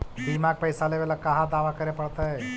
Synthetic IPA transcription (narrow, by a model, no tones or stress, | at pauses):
b̪imaɡ̚pəjsaleʋelakaɦad̪aːʋakəɾepəɽt̪aɦe